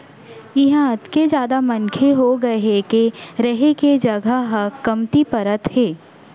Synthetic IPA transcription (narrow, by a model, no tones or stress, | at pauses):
ɪɦãɐt̪ked͡ʒjaːd̪amɐnkʰeɦoɡɐɦekeɾɐɦeked͡ʒɐɡʱəɦəkɐmt̪ipɐɾət̪heː